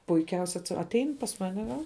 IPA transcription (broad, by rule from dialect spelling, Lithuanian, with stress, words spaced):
pʊɪˈkʲɛʊsʲɛ ɐtʲˈɛɪn pɐs ˈmɑːnʲɛ ʋɐ